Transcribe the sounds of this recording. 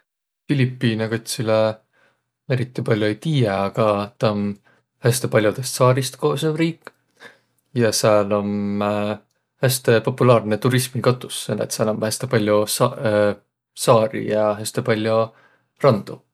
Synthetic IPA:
filipːiːneko̞t̪ʲsile | e̞ɾit̪ːˑipɑlʲjoejt̪iːjeɑɡ̥ɑt̪ɑm | hæst̪epɑlʲjud̪̥e̞st̪sɑːɾist̪ko̞ːsevriːkːˑ | jɑseɑlo̞m | hæst̪e̞po̞pːulɑːrne̞t̪uɾismikɑt̪ːˑusːelet̪sɑlomhæst̪epɑlʲjo | sɑːɾḭjɑɦæst̪epɑlʲjo | rɑnd̪̥u

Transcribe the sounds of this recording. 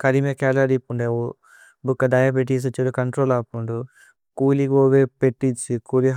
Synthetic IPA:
kɐɾimekaːlɐɾipuɳɖeo | bukːɐd̪ɐjapeʈ̬ːiːs̬ɐt͡ʃiɾukɐɳʈɾoːlaːpuɳɖu | kuːliɡoːʋepeʈːit͡ʃːikuːɾiɦ

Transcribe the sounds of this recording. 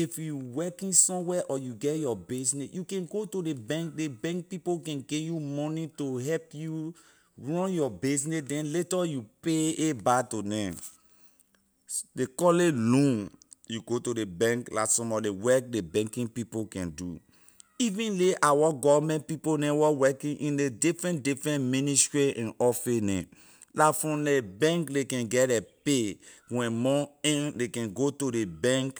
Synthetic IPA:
ifjuwɛkĩnsɔ̃mwɛʔɔjuɡɛjɔbesnejukɛ̃nɡotodebɛ̃ŋk̚debɛ̃ŋk̚pipokɛ̃nɡejumɔnĩtoɦɛpju | ɹɔ̃njɔbes̬nedɛ̃nletɔjupeebatonɛ̃ | dekɔlelũn | juɡotodebɛ̃ŋklasɔ̃mɔdewɛk̚debɛ̃ŋkĩŋpipokɛ̃ndṵ | ivĩnleʔawaɡɔvmɛ̃nt̚piponɛ̃wɔwɛkĩnʔĩndedifɹɛ̃ntdifɹɛ̃nmĩnistɹiɛ̃nɔfɛnɛ̰̃ | lafɹɔ̃mdebɛ̃ŋkdekɛ̃nɡɛdɛpewɛ̃mɔɛ̃ndekɛ̃nɡotodebɛ̃ŋk

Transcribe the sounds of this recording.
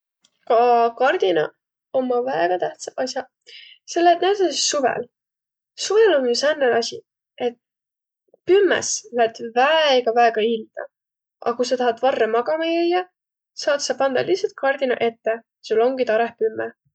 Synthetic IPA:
kɑkɑrd̪inɑ̰ | omːɑvæeɡ̥ɑt̪æht̪sɑɑsʲjɑ | se̞lːet̪næd̪ɑssuvḛl | suvelonjusænːelɑsʲḭ | e̞t̪̚ | pymːɛ̰slæt̪væeeɡ̥ɑvæeɡ̥ɑild̪̥ɑ̰ | ʔɑ̰kus̬ɑt̪ɑɦɑt̪vɑrːemɑɡ̥ɑmɑjejɑ | sɑːt̪sɑpɑnd̪ɑ̰lihsɑlt̪̚kʰɑrd̪inɑ̰ʔe̞t̪ːe | sulːo̞ŋɡit̪ɑɾehpymːɛ

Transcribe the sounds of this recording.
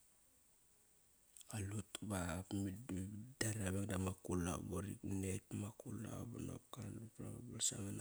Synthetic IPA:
alutbapmiddaɾaβekdamakula̰boɾiknetmakula̰bano̰pkandupɾa̰ŋabalsaŋana

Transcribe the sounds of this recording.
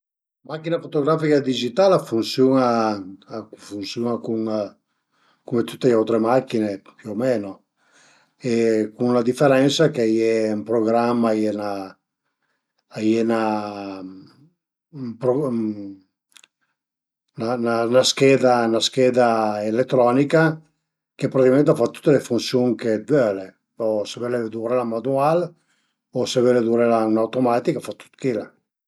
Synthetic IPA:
makːinafot̪oɡɾafikad̪id͡ʒit̪alafunsjuna | funsjunakuŋ | kumet̪ut̪ːeawt̪ɾemakːinepjomɛno | ekuŋlad̪ifeɾɛnsakeajɛumpɾoɡɾamːajɛna | ajena | pɾo | nananaskɛd̪anaskɛd̪aelet̪ːɾɔnika | kepɾat̪ikamẽnt̪afat̪ːu̥t̪ːelefunsjuŋkevøle | ɔsevɛled̪uɾelamanual | osevɛled̪uɾelaunawt̪omat̪ikafat̪ːu̥t̪kila

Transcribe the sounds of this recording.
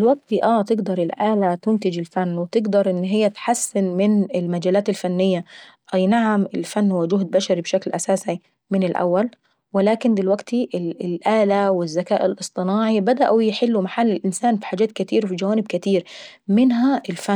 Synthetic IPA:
ɪlwaɡ̚t̪iʔaːt̪ɪɡd̪ɑɾˤɪlʔaːlat̪ʊnt̪ɪd͡ʒɪlfanːwɪt̪ɪɡd̪ɑɾˤʔɪnːɦɪjːat̪ħasːɪnmɪnɪlmad͡ʒaːlaːt̪ɪlfanːɪjːa | ʔjnaʕamɪlfanːhʊwːad͡ʒʊɦd̪̚baʃaɾibʃaklʔa̰saːsi | mɪnɪlʔa̰wːal | wɪlaːkɪnd̪ɪlwaɡt̪iʔɪɪlʔaːlawɪzːakaːʔɪlʔɨsˤt̪ˤɨnɑːʕibad̪aʔujɪħɪlːumaħalːɪlʔɪnsaːnfi̥ħaːd͡ʒaːt̪̚kɪt̪iːɾfid͡ʒawaːnɪb̚kɪt̪iːɾmɪnɦaʔɪlfa

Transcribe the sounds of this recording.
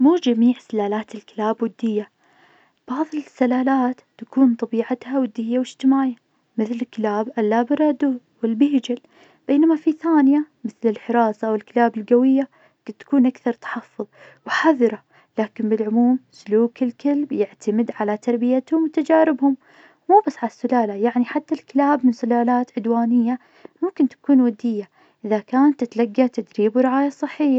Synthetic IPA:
muːd͡ʒamiːʕsalaːlaːt̪ɪlkɪlaːbwɪd̪ːɪjːa | b̥ɑʕðˤɨlsːalaːlaːt̪ːakuːnt̪ˤɑbiːʕat̪hawɪd̪ːɪjːawɪʃt̪ɪmaːja | mɪθlɪlkːɪlaːbʔalːaːbɪɾˤɑd̪u | wɪlbɪhd͡ʒɪl | b̥eːnamafiθaːnjamɪθlɪlħɪɾˤɑːsˤɑwɪlkɪlaːbɪlɡawɪjːa | ɡ̥ɪt̪ːḁkuːnʔakθɑɾˤt̪ḁħɑfːʊðˤ | wħaðˤɾˤɑ | laːkɪnbɪlʕʊmuːmsʊluːkɪlkalbjɪʕt̪amɪd̪ʕalat̪ɑɾˤbɪjat̪hʊmwɪt̪ad͡ʒaːɾɪbhʊm | muːbasːʕalasːʊlaːlajaʕniħat̪ːalkɪlaːbmɪnsʊlaːlaːt̪ʕʊd̪waːnɪjːa | mʊmkɪnt̪ḁkuːnwad̪ɪjːa | ʔɪðakaːnat̪ɪt̪laɡːat̪ad̪ɾiːbwɾɪʕaːjasˤːɨħːɪjːa

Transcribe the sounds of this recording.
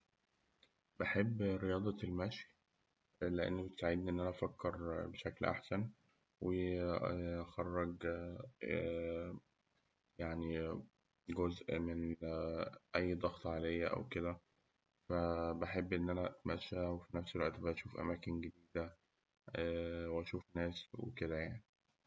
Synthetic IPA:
beħebːɾejɑːd̪ˤɑelmæʃi | leʔḛnːbet̪e̥saʕed̪niʔenːʔænæʔæfækːɑɾˤbeʃæklʔa̰ħsæn | wej | xɑrˤːɑɡ | jaʕni | ɡozʔmen | ʔæjːd̪ˤɑɣt̪ˤʕalejːæʔæ̰wked̪æ | fæbeħebːʔenːʔænæʔæt̪mæʃːæwefinæfselwæʔt̪bæʔæʃuːfʔæ̰mæːkenɡed̪iːd̪æ | æweʔæʃuːfnæːswḛked̪æjaʕni

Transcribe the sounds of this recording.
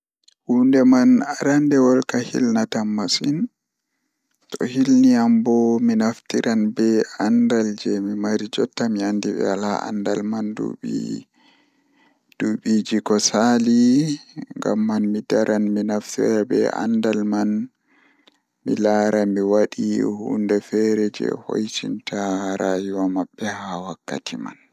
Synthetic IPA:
hundɛmanaɾandɛwɔlkahḭlnatamːasin | tɔ̰hilniambɔminaftiɾʔanbɛandald͡ʒɛmimaɾid͡ʒɔtːamiandiɓɛ̰alaa̰ndalmandṵɓḭ | d̥uɓid͡ʒikɔsali | ŋɡa̰mːanmidaɾʔanminaftiɾabɛ̰ʔa̰ndalman | milaːɾamiwaɗihṵndɛfɛɾɛd͡ʒɛ̰ho̰jtḭntʰaɾaːjuwamaɓːɛhawakːa̰tʰima̰n

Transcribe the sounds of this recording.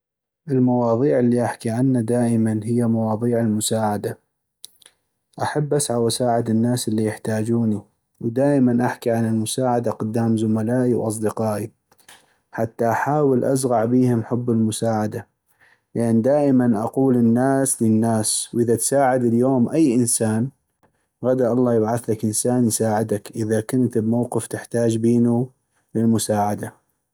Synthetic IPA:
ʔɪlmawɑːðˤiːʕɪlːiʔaħkiʕanːad̪aːʔɪmanɦɪjːamawɑːðˤiːʕɪlmʊsaːʕad̪a | ʔaħabːʔasʕawasaːʕɪd̪ɪnːaːsɪlːijɪħt̪aːd͡ʒuːni | wd̪aːʔɪmanʔaħkiʕanɪlmʊsaːʕad̪aqʊd̪ːaːmzʊmalaːʔiwʔɑ̰s̬ˤd̪ɪqɑːʔi | ħat̪ːaʔaħaːwɪlʔazɣɑʕbiːhɪmħʊbːɪlmʊsaːʕad̪a | lɪʔanːd̪aːʔɪmanʔa̰quːlɪnːaːslɪnːaːswʔɪðat̪saːʕɪd̪ɪljoːmʔajːʔɪnsaːn | ɣad̪aʔɑlˤːɑːjɪbʕaθlakʔɪnsaːnjsaːʕɪd̪akʔɪðakʊnt̪ɪbmawqɪft̪ɪħt̪aːd͡ʒbiːnu | lɪlmʊsaːʕad̪a

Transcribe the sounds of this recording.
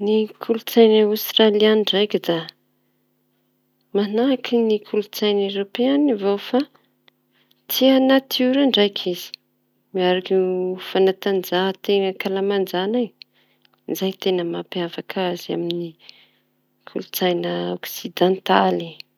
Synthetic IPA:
nikʰulut͡sajnəawst̪ralianiɳɖ͡ʐajkid̪a | manakʰinikʰulut͡sajnewɾopeanivowfa | t͡sianat̪ʰiuɾaɳɖ͡ʐajkʰiz̥i̥ | miaɾakifanat̪and͡zaɦt̪eŋəkalamand͡ʒanaj | izajt̪enəmapiavakʰazia̰mini | kʰulut͡sajnəoksid̪ãnt̪ali

